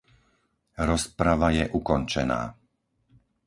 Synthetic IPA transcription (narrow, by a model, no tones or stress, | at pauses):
ɾɔspɾaʋajɛʔukɔnt͡ʃɛna̰ː